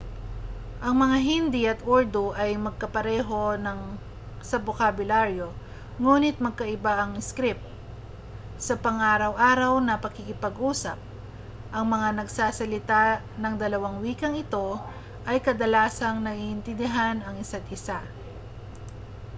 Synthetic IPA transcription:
ʔɐŋmɐŋaɦɪnd̪ɪɐt̪ʔoɹd̪oʔɐjmɐɡ̚kɐpɐɾɛːɦo̞nɐŋ | sɐbokabʊlaɾjo̞ | ŋuːnɪt̪̚mɐɡ̚kɐʔɪbaʔɐŋɪskɾɪp̚t̪ | sɐpɐŋʔaːɾɐwʔaːɾɐwnɐpɐkikɪpɐɡʔuːsɐp̚ | ʔɐŋmɐŋanɐɡsaːsɐlɪt̪a | nɐŋd̪ɐlɐwaŋwiːkɐŋɪt̪o̞ | ʔɐjkɐd̪ɐlaːsɐŋnɐʔiʔɪnt̪ɪnd̪ɪɦanɐŋɪsat̪̚ʔɪsa

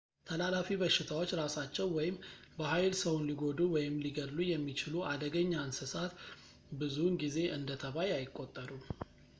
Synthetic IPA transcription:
t̪ʰəlalafiβəʃɪt̪ʰawo̞t͡ʃːɾasat͡ʃːɛwwɔjɪmbəɦajlsəwunliɡo̞d̪uwɔjɪmliɡəd̪lujɛmːit͡ʃɪluʔad̪əɡəɲːansɨsat̪ | bɨzunɡize̞ʔɨnd̪ət̪ʰəβajajɪkʼːo̞t̪ʼːəɾu

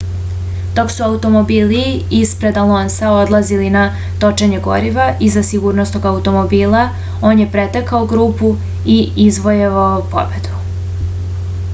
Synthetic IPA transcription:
d̪̥o̞ksuaut̪o̞mobiːliispɾe̞d̪alonsao̞d̪lˠazilina | t̪o̞t͡ʃeɲeɡo̞̰ɾiʋaʔizasiɡuːɾnost̪oɡaut̪o̞mo̞biːla | o̞ːnje̞pɾet̪ekaoɡɾuːpu | iizʋo̞jeʋaopo̞̰be̞d̪u̥

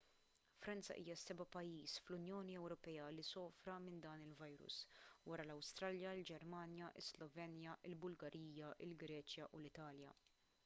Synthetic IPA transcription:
fɾɐnt͡sɐ̰ʔḭːjɐsɛbɐpɐjːiːsflʊnjɔːniɛwɾɔpɛːɐlisɔːfɾɐmɪnd̪ɐːnɪlvɐjɾʊ̰swɐɾɐlɐwst̪ɾɐljɐɪld͡ʒɛɾmɐːnjɐʔɪ̰slɔvɛːnjɐʔɪlbʊlɡɐɾiːjɐʔɪlɡɾɛːt͡ʃjɐʔulɪt̪ɐːljɐ̰

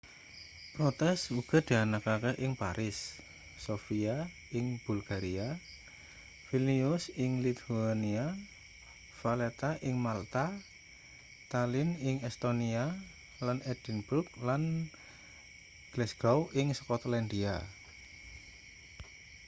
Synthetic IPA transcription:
pɾɔt̪ɛsuɡ̥a̤d̪̥aanakakeʔɪŋpaɾʔɪsː | ofia | ɪŋb̥ulɡ̥aɾia | filiʊsɪŋlit̪nia | falet̪aʔɪŋmalt̪a | t̪alɪnɪŋɛst̪onia | lanɛd̥ɛnburk̚lan | ɡ̥lɛsɡɔwɪŋsə̥kɔt̪lɛnd̪ia

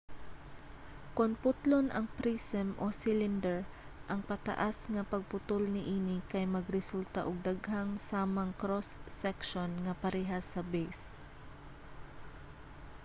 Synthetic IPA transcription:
kʊnpʊt̪lonʔɐŋpɾisɛmʔosilɪnd̪ɛɹ | ʔɐŋpɐt̪ɐ̰ʔasŋɐpɐɡ̚pʊt̪olnɪʔiːnɪkɐjmɐɡɾɛsult̪aʔʊɡ̚d̪aɡhaŋsaːmɐŋkɾosːɛkʃonŋɐpɐɾɛɦasɐbɛjs

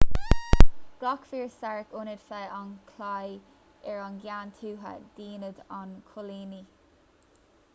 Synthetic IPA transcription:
ɡ̥lɑkfiːɹsaɹəkʊnɪd̪̥fɛankʰlaj | ɛɹanɡjaːnt̪ʰuːɦə̰d̪̥iːnəd̪ankʰʊliːni

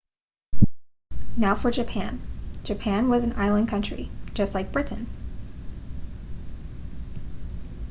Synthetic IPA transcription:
naʊfə˞d͡ʒɨpʰæ̃nd͡ʒɨpʰæ̃nwʌzɨ̃n̩ʔa̰ɪlˠə̃nkʰʌ̃nt͡ʃɹ̥ḭ̥d͡ʒʌstˡlaɪk̚b̥ɹɪʔn̩

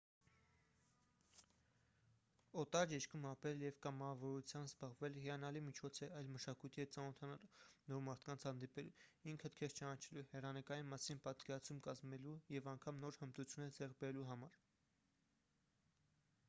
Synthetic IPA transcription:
ɔt̪ɑd͡ʒɛʃkʰumɑpɾɛljɛvkɑmɑvɔɾut͡sʰjɑnzbɑʁvɛlɦiɑnɑlimit͡ʃʰɔt͡sʰɛɑjlməʃɑkujt̪ʰiɛt͡sɑnɔt̪ʰɑnɑlnɔɾmɑɾt̪ʰkɑnt͡sʰhɑnd̪ipɛlṵiŋkʰət̪kʰɛʁt͡ʃɑnɑt͡ʃʰɛluhɛrɑnəkɑjinmɑsinpɑt̪kɛɾɑt͡sʰumkɑzmɛlujɛvɑŋkʰɑmnɔɾhəmt̪ut͡sʰjunɛd͡zɛrk̚bɛɾɛluɦɑmɑɾ

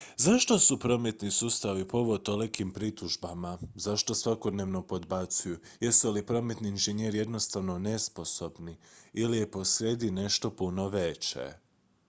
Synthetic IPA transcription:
zaʃt̪o̞supɾo̞met̪nisuːst̪aʋipoʋot̪o̞lekimpɾit̪uʒbamazaʃt̪o̞sʋako̞d̪neʋno̞po̞d̪bat̪sujujest̪olipɾo̞me̞t̪niːnʒenjeɾije̞d̪no̞st̪aʋno̞ne̞spo̞so̞bniilijepo̞sɾed̪ine̞ʃt̪o̞puno̞ʋet͡ɕḛ

